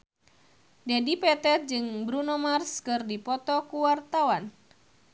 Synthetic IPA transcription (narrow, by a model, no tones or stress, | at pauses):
d͡ʒadipɛt̪ɛt̪̚d͡ʒɨŋbɾunomarskɨrdipɔt̪ɔkuwart̪awan